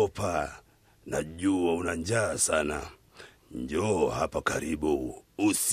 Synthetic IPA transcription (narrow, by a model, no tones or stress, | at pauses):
ɔpa | naʄuaunaɲd͡ʒaːsana̰ | ɲd͡ʒɔhapakaɾiɓuːs